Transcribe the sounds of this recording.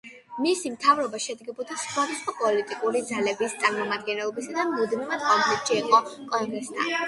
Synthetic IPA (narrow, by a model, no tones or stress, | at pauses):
misimt̪ʰavɾɔbaʃɛd̪ɡɛbɔd̪asχwad̪asχwapʼɔlit̪ʼikʼuɾid̪zalɛbist̪sʼaɾmɔmad̪̚ɡɛnɛlˠɔbisad̪amud̪mimat̪ɔkɛt̪ʃiːqʼɔkʼɔŋɡɾɛst̪ʰa̰n